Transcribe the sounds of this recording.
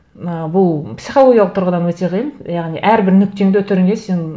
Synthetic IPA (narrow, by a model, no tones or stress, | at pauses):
əbʊlˠpsijχolˠoɡʲjɑlˠəqt̪ʰɾʁəd̪ɑnwɵt̪eʁijnjɑʁniʔæɾbɪɾnʏk̚t̪e̞ŋd̪t̪ʰʏɾɪŋɡʲese̞n